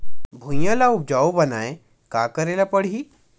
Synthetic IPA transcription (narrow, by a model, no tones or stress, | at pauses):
bʱũjjalaubd͡ʑaubənaj | ka̰kəɾelapəɽ̤iː